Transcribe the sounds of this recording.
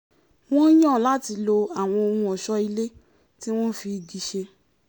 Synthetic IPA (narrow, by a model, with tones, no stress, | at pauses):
w̃ɔ̃˦j̃ã˦˨la˦ti˧lo˧a˨w̃ɔ̃˧o˧hũ˧ɔ˨ʃɔ˧i˧le˦ | ti˦w̃ɔ̃˦fi˧di˧ʃe˧